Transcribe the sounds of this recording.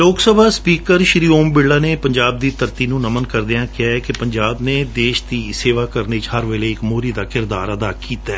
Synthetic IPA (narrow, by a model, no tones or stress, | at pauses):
loːksəbʱaːspiːkəɾʃɾiːoːmbɪɽaːneːpəɲd͡ʒaːb̚d̪iːt̪əɾt̪iːnũːnəmənkəɾd̪eãːkɪaːɛːkɪpəɲd͡ʒaːbneːd̪eːʃd̪iːseːʋaːkəɾneːt͡ʃhəɾʋeːleːɪkmoːɾiːd̪aːkɪɾd̪aːɾəd̪aːkiːt̪aɛː